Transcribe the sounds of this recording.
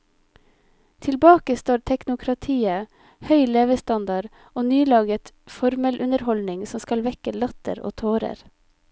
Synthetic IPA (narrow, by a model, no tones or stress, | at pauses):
t̪ʰɪlbɑːkəst̪oːɾt̪ʰɛknʊkʰɾɑt̪ʰiːə | hœʏleːʋəst̪ɑnd̪ɑɾ | oːnyːlɑːɡət̪ | fɔɾmɛlʔʉnəɾhɔlnɪŋsɔmskɑlʋɛkəlɑt̪ə̰ɾo̰ːt̪ʰoːɾə̰ɾ